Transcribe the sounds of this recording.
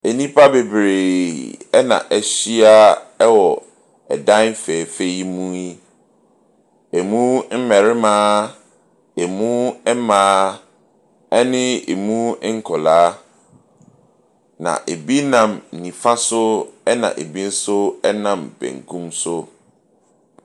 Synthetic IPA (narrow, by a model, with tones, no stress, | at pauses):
e˨nĩ˦pʰa˦be˨bɾe˨ɛ˦nã̰˨ʔɛ˦ɕi˦a˦ɛ˦wɔ˨ | ɛ̰˨dã˦n˦fɛː˨fe˦i˦mũ˦i˦ | e˨mũ˦m̩˦mɛ˨ɾɪ˦mãː˦ | e˨mũ˦ɛ˦mãː˨˦ | ɛ˦nɪ̃˦ḛ˨mũ˦ŋ̩˦kʰɔ˨laː˦ | nã̰˨ʔe˨bi˦nã˨m̩˨nĩ˨fa˦sʊ˦ɛ˦nã̰˨ʔḛ˨bi˦n̩˦sʊ˦ɛ˦nã˨mbɛ̰̃˨ŋ˨kʰũ˦msʊ˦